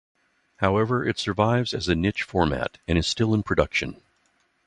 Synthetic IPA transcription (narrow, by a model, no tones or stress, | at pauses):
haʊɛvə˞ʔɨtsə˞vaɪvzɨzɨnɪt͡ʃfɔɹmæ̰ɾɨ̃ñɨz̥stɪlˠə̃npʰɹ̥ɨdʌkʃɨ̃n